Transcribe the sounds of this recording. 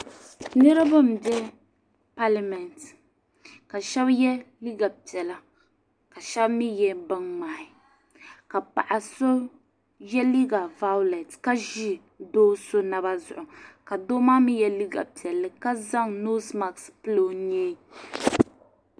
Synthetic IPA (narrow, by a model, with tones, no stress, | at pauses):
nɛ˦ɾa˦bɨ˦m˨bɛ˦ | pa˦la˨mɛ˨nt | ka˨ʃɛ˦bjɛ˦li˦ɡa˨pi˨ɛ˨la˦ | ka˨ʃɛ˦bmi˦jɛ˦bɨ˦nmaː˨hɪ˨ | ka˨pa̰˨ʔa˨so˦ | jɛ˦li˦ɡa˨va˦lɛ˨tka˦ʒi˦ | doː˦so˦na˦βa˦zʊ̰˨ʔʊ˨ka˨do˦maː˦mi˦jɛ˦li˦ɡa̰˨pi˨ɛ˨lːɨ˦ka˦za˦ŋno˦sma˨kspɨ˦lo˨˦ɲɛː˦